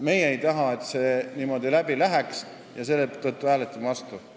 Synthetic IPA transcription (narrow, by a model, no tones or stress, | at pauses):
me̞jeejt̪ɑɦɑe̞t̪se̞ːniːmo̞d̪ilæbilæɦæks | jɑse̞lːet̪ːot̪ːˑuæːlet̪ːˑumɑst̪u